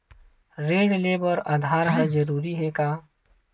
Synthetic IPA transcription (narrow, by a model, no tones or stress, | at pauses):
ɾeːɖleːbəɾad̪ʱaːɾəɦad͡ʒəɾuːɾiɦɛkaː